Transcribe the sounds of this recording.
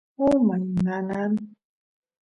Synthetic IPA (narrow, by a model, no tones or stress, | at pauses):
umaɲŋanan